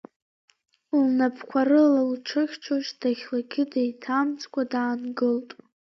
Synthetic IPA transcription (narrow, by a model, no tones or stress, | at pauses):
lnapʰkʷʰaɾɨlalʈ͡ʂʰɨχʲt͡ʃʰoʂd̥aχʲlaɡʲɪdejtʰamt͡sʼkʷʼadaːnɡɨltʼ